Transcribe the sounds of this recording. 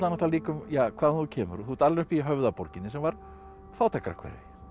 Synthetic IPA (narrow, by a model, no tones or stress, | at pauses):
tlanɔht̪aliːkʏmjaːkʰvaːðanθucʰɛːmʏ̰ɾɔθut̪aɾlnʏhpiɦœvðapɔɾcɪnːɪsɛmvaɾ̥ | faːwt̪ʰakɾa̰kʰvɛ̰ɾɪ̰